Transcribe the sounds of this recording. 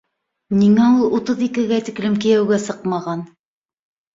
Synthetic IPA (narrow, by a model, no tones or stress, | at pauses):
niŋæulˠut̪ɤðikɘ̆ɡæt̪ĭklɘmkijæwɡæsɤqmɑʁɑn